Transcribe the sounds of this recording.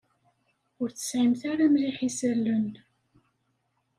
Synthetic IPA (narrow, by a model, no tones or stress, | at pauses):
ʊɾt͡sːə̥sʕimθaɾamliħisəlːən